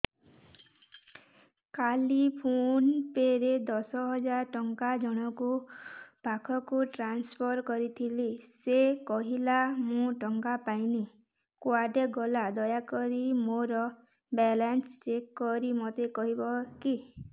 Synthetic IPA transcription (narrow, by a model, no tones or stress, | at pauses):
kalipʰunpeɾed̪ɔsɔɦɔd͡ʒaɾʈɔŋkad͡ʒɔɽ̃ɔkub̥ʱakʰɔkuʈɾanspʰɔɾkɔɾit̪ʰilisekɔɦilamũʈɔŋkapajni | kwaɖeɡɔlad̪ɔjakɔɾimoɾɔ | bɛlanst͡ʃekːɔɾimot̪ekɔɦibɔki